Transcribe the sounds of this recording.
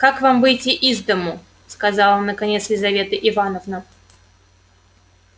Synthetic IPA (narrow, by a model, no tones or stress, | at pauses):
kakvamvɨjtʲiʔizd̪əmʊ | skɐzɑlˠonːəkɐnʲe̞t̪slʲɪzɐvʲe̞t̪ɨʔɪvanəvnə